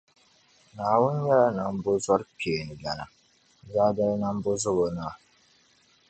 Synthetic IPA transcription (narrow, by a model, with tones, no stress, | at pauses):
naː˨wʊ˦n˦ɲɛ˦la˦na˨m˦bo˦za˦ɾpi˨e˨nɨ˨ɡa˨na̰˨ | zaː˦da˦lna˦m˦bo˦zʊ˦ɣo˨na˦˨